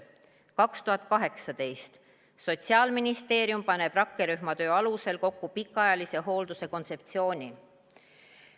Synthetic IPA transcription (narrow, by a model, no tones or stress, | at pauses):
kɑkst̪uɦhɑt̪ːˑkɑɦe̞ksɑd̪e̞jst̪ | so̞t̪siɑːlminist̪e̞ːɾjumpɑne̞b̥rɑkːeɾyɦmɑt̪ø̞ːɑluse̞lko̞kːupikːˑɑjɑlise̞ɦo̞ːld̪use̞ko̞nt̪se̞p̚t̪sio̞ːnʲi